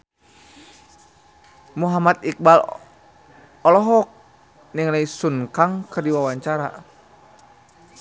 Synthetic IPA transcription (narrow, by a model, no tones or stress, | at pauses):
muɦamat̪̚ik̚bal | ɔlɔɦɔk̚ | niŋlaisunkaŋkɨrdiwawaɲt͡ʃaɾa̰